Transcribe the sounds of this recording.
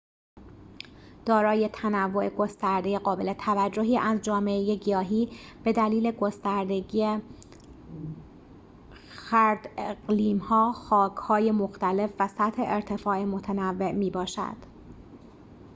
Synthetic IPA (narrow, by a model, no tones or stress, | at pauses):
d̪̥ɒːɾɒːje̞t̪ʰænævːo̞ʔe̞ɡo̞st̪æɾd̪eje̞ɢɒːbe̞le̞t̪ʰævæd͡ʒːo̞ɦiːʔæzd͡ʒɒːme̞ʔeje̞ɟijɒːɦiːb̥e̞d̪æliːle̞ɡo̞st̪æɾd̪eɟie | xæɾd̪̥eɡliːmhɒːxɒːkhɒːje̞moxt̪æle̞fvæsæt̪he̞ʔeɾt̪ʰe̞fɒːemo̞t̪ʰænævːe̞ʔmiːbɒːʃæ̰d̪̥